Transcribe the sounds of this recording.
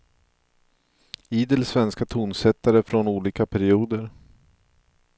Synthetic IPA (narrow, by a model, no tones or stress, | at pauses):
iːd̪əlsvɛnskat̪ʰuːnsɛt̪ːaɾəfɾɔnuːliːkapʰæɾɪuːd̪əɾ